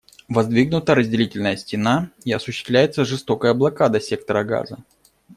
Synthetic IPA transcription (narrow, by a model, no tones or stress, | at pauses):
vɐzd̪vʲiɡnʊt̪əɾəzʲdʲɪlʲitʲɪlʲnəjəsʲtʲɪnaiɐsʊɕːɪ̥st̪vlʲæjɪt̪səʐɨst̪o̞kəjəɐblˠɐkad̪əsʲe̞k̚t̪əɾəɡa̰zə